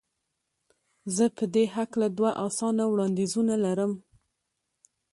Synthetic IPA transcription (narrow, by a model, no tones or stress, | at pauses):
zəpəd̪eɦaklad̪waʔɑsɑnawɽɑnd̪ezunalaɾəm